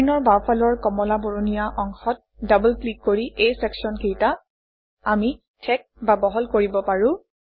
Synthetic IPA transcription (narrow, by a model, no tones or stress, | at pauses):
nɔɹbapʰalɔɹkɔmɔlaboɹonijaʔɔŋxɔt̚dabɔlklikːoɹiʔejsɛksɔnkijta | ami | tʰɛk̚babɔɦɔlkoɹibɔpaɹʊ̃